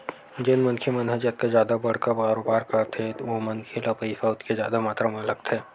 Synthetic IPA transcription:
d͡ʒɪnmɐnkʰemɐnɦəd͡ʒjət̪̚kezjaːd̪abɐɽ̤kabaːɾoːbaːɾkɐɾt̪ʰeʋomɐnkʰelapəisaʊt̪kezjaːd̪amaːt̪ɾamə̃lɐkt̪ʰɛː

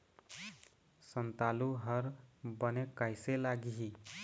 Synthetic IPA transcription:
sənt̪aluɦʌɾbənekajselaɡiɦi

